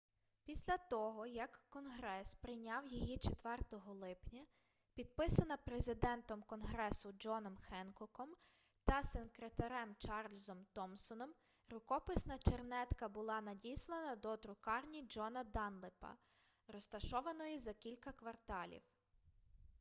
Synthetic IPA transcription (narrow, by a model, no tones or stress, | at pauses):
pʲisʲlʲɐt̪ɔɦɔjɐkːɔnɦɾɛspɾɪjnʲɑwjijit͡ʃet̪ʋɛrt̪ɔɦɔlˠɪpnʲɐ | pʲid̪̚pɪsɐnɐpɾezɪd̪ɛnt̪ɔmkɔnɦɾɛsʊd͡ʒɔnɔmxɛnkɔkɔm | t̪ɐsenkɾet̪ɐɾɛmt͡ʃɑrlʲzɔmt̪ɔmsɔnɔm | rʊkɔpɪsnɐt͡ʃernɛt̪kɐbʊlˠɑnɐdʲijslˠenɐd̪ɔd̪ɾʊkɑrnʲid͡ʒɔnɐd̪ɑnlˠɪpɐ̰ | rɔst̪ɐʃɔʋɐnɔjizɐkʲilʲkɐkʋɐrt̪ɑlʲḭw